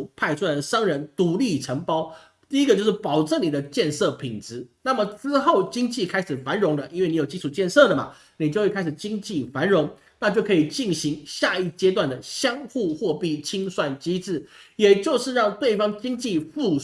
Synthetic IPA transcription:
pʰa˥˧ɪt͡sʰu˥wa˧˩d̪ə˩ʂɑ˥ŋɻə˧˥nt̪u˧˨˥li˥˩ʈ͡ʂʰə˧˥ŋpɑ˥ʊ | t̪i˥˧i˥ɡə˧t͡ɕjo˧ʊʂ̩˥˩pɑ˨˩ʊʈ͡ʂə˥˩ŋni˨˩d̪ə˦t͡ɕjɛ˥˧nsɤ˥˩pʰi˨˩ŋʈ͡ʂɻ̩˧˦na˥˩mə˩t͡sɹ̩˥xo˥˩ʊt͡ɕi˥ŋt͡ɕi˥˩kʰa˥ɪʂɻ̩˨˩fa˧˥nɻʊ˧˥ŋlə˧ʔi˥nwe˥˩ni˧˥jo˨˩ʊt͡ɕi˥u˨˩t͡ɕjɛ˥˧nsɤ˥˩d̪ə˩mɐ̰˩ | ni˨˩t͡ɕjo˥˧ʊxwkʰɪʂ̩˨˩t͡ɕi˥ŋt͡ɕi˥˨fa˧˥nɻʊ˧˥ŋ | na˥˧t͡ɕjo˥˩ʊkʰɤ˧˥i˨˩t͡ɕi˥˩nɕi˧˥ŋɕja˥˧i˥˩t͡ɕjɛ˥t̪wa˥˩nd̪ə˩ɕjɑ˥ŋxu˥˧xwɔ˥˧pi˥˩t͡ɕʰi˥ŋswa˥˩nt͡ɕi˥ʈ͡ʂɻ̩˥˩jɛ˨˩t͡ɕjo˥˧ʊʂɻ̩˥˧ɻɑ˥˧ŋt̪we˥˩ɪfɑ˥ŋt͡ɕi˥ŋt͡ɕi˥˧fu˥˩

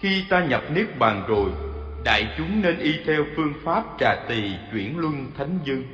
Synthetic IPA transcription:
xi˧t̪aː˧ɲə˨˩p̚ni˦˥ək̚ɓaː˨˩ŋzo˨˩j | ɗa̰ː˧˨jt͡ɕʊ˨˦ŋ͡mne˧nʔi˧t̪ʰɛ˧wfɨ˧əŋfaː˦˥p̚t͡ɕaː˨˩t̪i˨˩t͡ɕwi˧˩ənlwə˧nt̪ʰa˨˦jŋ̟zɨ˧ŋ

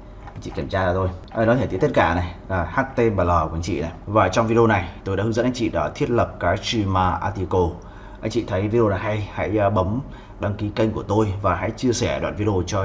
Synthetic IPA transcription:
t͡ɕḭ˧˨ki˧˩mt͡ɕaː˧aː˨˩t̪o˧jʔaː˨˩nɔ˨˦t̪ʰt̪i˨˦t̪kaː˧˩na˨˩jlaː˨˩haː˦˥k̚t̪e˧ɓaː˨˩lɔː˨˩u˧˨˧ŋt͡ɕḭ˧˨na˨˩jvaː˨˩t͡ɕɔ˧wŋ͡mvi˧ɗo˧na˨˩jt̪o˧jɗa̰ː˧˥hɨ˨˦zə̰˧˥nʔa˧jŋt͡ɕḭ˧˨ɗɔ˨˦t̪ʰi˦˥ət̚lə˨˩p̚kaː˨˦jt͡ɕi˧maː˧ʔaː˧t̪i˧ko˧ | ʔa˧˩j̟t͡ɕḭ˧˨t̪ʰə˨˦jvi˧ɗo˧naː˨˩ɦa˧jha̰˧˥jɓə˨˦m | ɗaː˧ŋki˨˦kə˧jŋ̟ku˧˩ət̪o˧jvaː˨˩ɦa̰˧˥jt͡ɕɨ˧əsɛ˧˩ɗwa̰ː˧˨nvi˧ɗo˧t͡ɕɔ˧

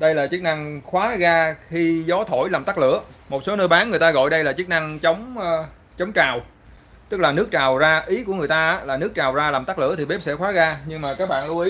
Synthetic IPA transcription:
ɗə˧jlaː˨˩t͡ɕɨ˦˥k̚na˧ŋxwaː˨˦ɣaː˧xi˧zɔ˨˦t̪ʰo˧˩jlaː˨˩mt̪a˦˥k̚lɨ̰˧˨əmo˨˩t̚so˨˦nəː˧jɓaː˨˦nŋɨ˨˩əjt̪aː˧ɣɔ̰˧˨jɗə˧jlaː˨˩t͡ɕɨ˦˥k̚na˧ŋt͡ɕə˨˦wŋ͡m | t͡ɕə˨˦wŋ͡mt͡ɕaː˨˩w | t̪ɨ˦˥k̚laː˨˩nɨ˦˥ək̚t͡ɕaː˨˩wzaː˧ʔi˨˦ku˧˩əɨ˨˩əjt̪aː˧ʔa˦˥laː˨˩nɨ˦˥ək̚t͡ɕaː˨˩wzaː˧laː˨˩mt̪a˦˥k̚lɨ̰˧˥ət̪i˨˩ɓe˦˥p̚sɛ̰˧˥xwaː˨˦ɣaː˧ɲɨ˧ŋmaː˨˩kaː˦˥k̚ɓa̰ː˧˨nlu˧ʔi˨˦

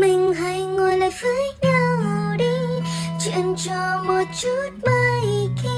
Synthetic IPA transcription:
mï˨˩ŋ̟ɦa˧˥jŋo˨˧˩əjlaː˧˨jfəː˧˦jɲa˧wɗi˧˦t͡ɕwḭ˧˨ənt͡ɕɔ˧˩mo˨˩t̚t͡ɕu˦˥t̚mə˧˦ki˧˦

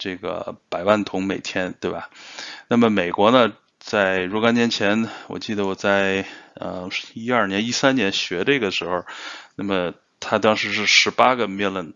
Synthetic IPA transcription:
ʈ͡ʂe˥˩ɡə̰˩pa˨˩ɪwa˥˩nt̪ʰʊ˧˥ŋme˨˩ɪt̪ʰjɛ˥nt̪we˥˩ɪbɐ̰˨˩na˥˩mə˩me˨˩ɪkwɔ˧˥nə˧ | t͡sa˥˩ɪɻɔ˥˧kɑ˥njɛ˧˥nt͡ɕʰjɛ˧˥nwɔ̰˨˩t͡ɕi˥˩d̪ə˩wɔ˨˩t͡sa˥˩ɪə̰˧i˥ɐ˞˥˩njɛ˧˥ni˥sa˥nnjɛ˧˥nɕɥɛ˧˥də˥˧i˥ɡə˩ʂɻ̩˧˥xo˧˩ʊna˥˩mə˩ | t̪ʰa˥t̪ɑ˥ŋʂɻ̩˧˥ʂɻ̩˥˩ʂɻ̩˧˥pa˥ɡə˨mɛ˥lə˥˩n

